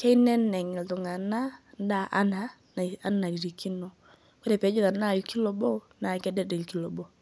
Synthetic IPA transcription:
kɛ˦i˦nɛ˦nɛ˨ŋɛ˨ltɔ˨ŋa˨na˦n˦da˦˨ʔa˦na˨ | a˦na˨i˨ɾi˨kʰi˦nɔ˨ | kɔ˦ɾɛ˨pɛ˨˦d͡ʒo˦ða˨na˦˨lki˦lɔ˨bɔ˦ | na˨kɛ˦dɛ˦dɛ˨ki˦lɔ˨bɔ˦

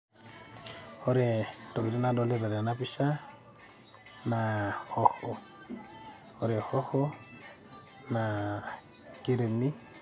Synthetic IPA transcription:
o˦ɾe˨to˨bi˨ɾi˦nadole˦ɾa˨ɾa˨napiʃa˦ | na˨hoho˨ | oɾe˨ho˦ho˦ | na | ki˦ɾe˨ni˦

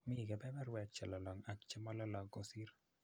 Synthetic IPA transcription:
mɪ˦˨kɛ˨bɛ˦bɛ˦ɾwɛ˨t͡ʃɛ˨lɔ˨lɔ˨ŋa˨kt͡ʃɛ˦mɔ˦lɔ˦lɔ˨ɡo˦si˦ɾ

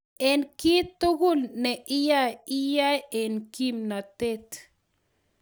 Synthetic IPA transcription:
e˨nki˦t̪ːo˦ɡu˦lne˨ʔi˦ja˦ji˦ja˦je˨nki˦mna˨t̪e˦t̪

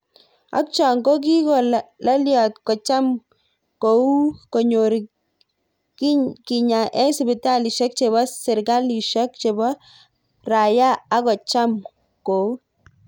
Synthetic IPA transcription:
a̰˦k̚t͡ʃɔ˨ŋɡo˦k̬i˦kɔ˨la˦ljɔ˨tkɔ˨t͡ʃa˦m | ko˨u˦ko˨ɲo˨ɾi˨ | kki˨ɲa˨ʔɛ˦sɪ˨bɪ˨ta˦li˨ʃɛ˦k̚t͡ʃe˨βɔ˦sɪ˨ɾɡa˦li˨ʃɔ˦kt͡ʃe˨bɔ˦ | ra˨jaː˦kɔ˨t͡ʃa˦m | ko˨u˦

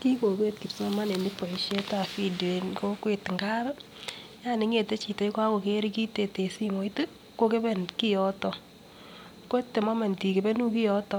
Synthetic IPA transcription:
ki˦ko˨ke˦t̚ki˨psɔ˦ma˦ne˨ni˦pːo˨i˨ʃe˦ta˨fi˨de˨nko˦kwe˨tŋɡa˦ɾ | ja˦˨ni˦ŋe˨te˦t͡ʃi˨te˨˦jkwa˦ko˨ke˦ɾi˦ki˦te˨te˨si˦mo˨˦i˦tɨ˦ | ko˦ke˦be˦nki˦jɔ˦tɔ˨ | ko˦te˨ma˦ma˨nti˨ke˨be˦nu˦ki˦jɔ˦tɔ˦

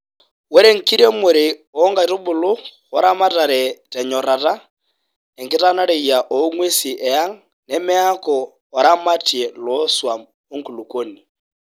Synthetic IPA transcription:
wɛ˦ɾɛ˦ŋ̩˨ki˦ɾɛ˦mʊ˨ɾɪ˨ɔ˨˦ŋɡa˨˦ɾo˦bʊ˨lʊ˦ɣɔ˦ɾa˦ma˦ta˨ɾɛ˨tɛ˨ɲɔ˨ɾa˨ta˦ | ɛ˨ŋkɪ˦ta˦na˦ɾe˨i˨ja˨ʔɔ˨˦ŋwe˦si˨ʔɛ˨a˦ŋ | nɛ˨mɪ˦a˦kɔ˨ | ɔ˨ɾa˦ma˦ti˨ɛ˨lɔ˦swa˨ | o˦ŋ̩˨ku˨lu˨ko˦ni˨

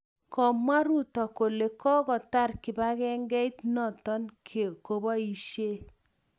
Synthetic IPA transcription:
kɔ˨mwa˦ɾu˦tɔ˨ko˨le˨kɔ˦kɔ˨ta˦˨rkɪ˨ba˦kɛ˦ŋɡɛ˦i˦tnɔ˨tɔ˦nkko˨ba˦i˨ʃje˦

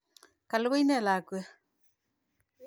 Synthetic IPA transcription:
ka˨lwe˦jnɛ˦˨la˨kuɛ˦

